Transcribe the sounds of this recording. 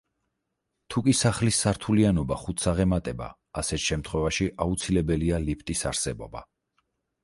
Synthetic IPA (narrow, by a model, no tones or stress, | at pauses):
t̪ʰukʼisaχlisːaɾt̪ʰulianɔbaχut̪ʰsaʁɛmat̪ʼɛba̰ːsɛt̪ʃɛmt̪ʰχwɛvaʃiʔaut̪sʰilɛbɛlialipʰt̪ʼisa̰ɾsɛbɔ̰ba̰